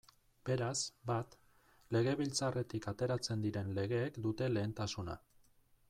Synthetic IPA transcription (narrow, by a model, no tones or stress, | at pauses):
be̞ɾasbat̪ | le̞ɣ̞e̞βilt͡sare̞t̪ikat̪e̞ɾat͡se̞nd̪iɾe̞nle̞ɣ̞e̞ːkd̪ut̪e̞le̞ːnt̪asuna̰